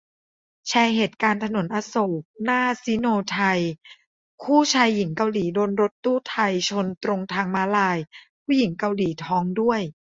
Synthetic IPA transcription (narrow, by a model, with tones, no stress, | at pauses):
t͡ɕʰɛː˧ɦeː˨˩t̪̚kaː˧nt̪ʰa˧no˨˩˦nʔaː˧soː˨˩k̚naː˥˩si˦noː˧t̪ʰa˧j | kʰuː˥˩t͡ɕʰaː˧jːi˨˩˦ŋka˧wliː˩˦doː˧nɾo˦˥t̪ːuː˥˩t̪ʰa˧jt͡ɕʰo˧nt̪ɾo˧ŋt̪ʰaː˧ŋmaː˧˦˥laː˧jkʰuː˥˩ji˩˦ŋka˧wliː˩˦t̪ʰɔː˦˥ŋdu˥˩əj